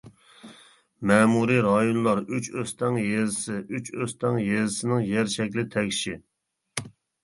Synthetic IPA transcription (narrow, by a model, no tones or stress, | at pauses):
mɛːmuɾiɾɑjonlˠɑɾyt͡ʃøst̪ɛŋjezɪsɪʔyt͡ʃøst̪ɛŋjezɪsɪnɪŋjɛɾʃɛkʲlɪt̪ʰɛkʲʃi